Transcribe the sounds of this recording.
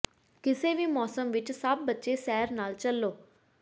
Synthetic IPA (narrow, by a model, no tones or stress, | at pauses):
kiseːʋimɔːsɐmʋiʈːsaːp̚bɐt͡ʃːeːsɛːɐɾnaːlt͡ʃɐlːoː